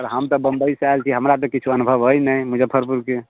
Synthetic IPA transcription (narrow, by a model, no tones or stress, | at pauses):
ɔɾɦəmt̪ɔbəmbəisajlkʰiɦəmɾat̪̬ɔ̃kit͡ʃʰuənubʱəʋɦəjnəjmud͡ʒebpʰəɾpuɾke